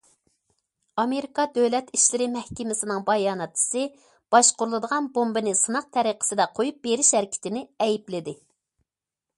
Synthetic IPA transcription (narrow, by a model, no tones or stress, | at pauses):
ɑmeɾikɑd̪øwlɛt̪iʃlɪɾɪmɛhkʲɪmɪsɪnɨŋbɑjɑːnɛt̪ʰːɨ̥sɨ | b̥ɑʃqʊɾlˠɨd̪əʁɑnbombɨnɪsɨnɑq̚t̪ʰɛɾiqʰə̥sɨd̪ɛqʰojup̚beɾɪʃhæɾɪkʲʰɪ̥t̪ɪnɪɛjiplɪd̪ɪ